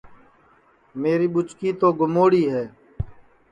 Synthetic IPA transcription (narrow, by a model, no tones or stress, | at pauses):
meːɾiːɓʊt͡ʃkiːt̪oːɡʊmoːɽiːɦɛː